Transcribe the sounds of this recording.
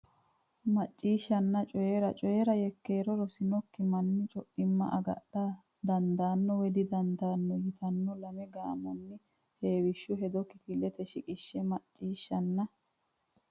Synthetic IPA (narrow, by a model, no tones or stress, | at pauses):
mɐt͡ʃʼːiːʃːɐnːɐt͡ʃʼɔjeɾɐt͡ʃʼɔjɛɾɐjɛkːe̞ːɾɔɾɔsɪnɔkːɪmɐnːɪt͡ʃʼɔʔɪmːɐ̰ʔɐɡɐ̰ɗːɐ | d̪ɐnd̪aːnːɔwɛd̪ɪd̪ɐnd̪aːnːɔjɪt̪ɐnːɔlɐmɛɡaːmɔnːɪ | he̞ːwɪʃːʊɦɛd̪ɔkːɪkɪlːɛt̪ɛʃɪkʼɪʃːɛmɐt͡ʃʼːiːʃːɐnːɐ